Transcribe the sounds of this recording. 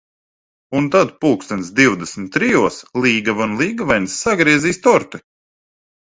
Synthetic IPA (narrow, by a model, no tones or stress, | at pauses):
unt̪ad̪puːkst̪ɛnsd̪iwd̪ɛsmʲt̪ːɾijuɔslˠiːɡavunlˠiːɡavajnsːaɡɾiɛziːst̪ɔɾt̪i